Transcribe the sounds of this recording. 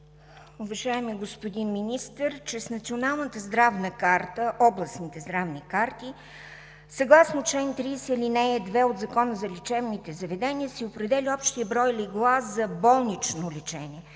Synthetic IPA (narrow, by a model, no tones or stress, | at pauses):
ʊbɛʒajɛmɛɡospod̪inminist̪əɾt͡ʃɛsnɐt̪sionalˠnət̪əzd̪ɾavnəkaɾt̪əʔɔblˠɐsnit̪ɛzd̪ɾavnikaɾt̪i | sɐɡlˠasnot͡ʃɛnt̪ɾisɛilinɛɛd̪vɛod̪zɐkɔnəzɐlʲit͡ʃɛvnit̪ɛzɐvɛd̪ɛniəsiopɾɛd̪ɛliɔpʃt̪iəbɾɔjliɡlˠaszɐbɔlˠnit͡ʃnolʲɛt͡ʃɛnʲiɛ